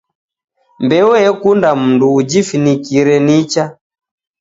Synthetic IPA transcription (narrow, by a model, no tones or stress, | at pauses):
mbɛɔɛkundam̩nduːd͡ʒifinikiɾɛnit͡ʃa